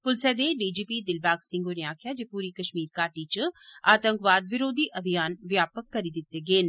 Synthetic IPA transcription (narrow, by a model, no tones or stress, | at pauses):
pʊlsɛd̪eɖiːd͡ʒiːpiːd̪ɪlbaːksɪ̃ŋɡoneaːkʰɪjaːd͡ʒeːpuːɾikɐʃmiːɾkaːʈit͡ʃaːt̪ə̃ŋkʋaːd̪ʋɪɾoːd̪ʱiʔɐbʱijaːnʋjaːpəkːɐɾid̪ɪt̪ːeɡeːn